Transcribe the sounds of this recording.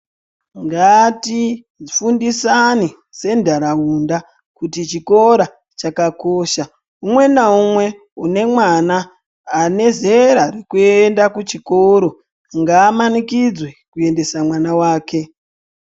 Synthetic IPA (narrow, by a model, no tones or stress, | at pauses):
ŋɡati | ifundisani | se̞ndʱaɾaunda | kutit͡ʃiko̞ɾa | t͡ʃakako̞ːʃa | umwe̞naumwe̞ | une̞mwanaː | ne̞ze̞ɾarekuendakut͡ʃikoɾo̞ | ŋɡaːmanikid͡zwekue̞nde̞samwanawaːke̞